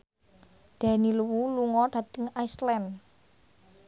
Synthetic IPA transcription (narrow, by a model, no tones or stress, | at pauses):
d̪̥a̤niluwuluŋɔɖ̥ä̤t̪ɪŋaislɛn